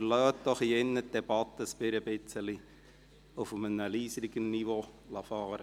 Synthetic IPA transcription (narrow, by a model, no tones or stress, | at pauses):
əlœːt̚d̥̪ɔχiɛnːəd̥ɛb̥ɑt̪ːəspɪɾəbɪt͡sːəli | ʊfmənəliːsəɾiɡənːiʋolɑfɑːɾə